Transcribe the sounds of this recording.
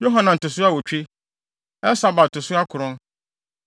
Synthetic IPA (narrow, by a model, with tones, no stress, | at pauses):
jo˦ɦã˦nã˨n̩˨tʊ˨sʊ˦a˦˨wɔ˨t͡ɕᶣi˦ | ɛ˦sa˦ba˨tʊ˨sʊ˦a˦kʰʊ˨ɾʊ̃˦n